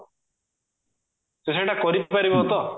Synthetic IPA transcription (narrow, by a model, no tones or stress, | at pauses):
seseʈakɔɾippaɾibɔɦɔt̪ɔ